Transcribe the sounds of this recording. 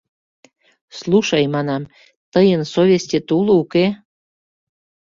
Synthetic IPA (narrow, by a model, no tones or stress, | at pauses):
sluʃɑjmɑnɑm | t̪əjənsovʲesʲtʲet̪ulouke